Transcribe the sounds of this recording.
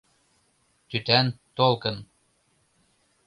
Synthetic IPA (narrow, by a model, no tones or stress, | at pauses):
t̪yt̪ænt̪olˠkɤ̆n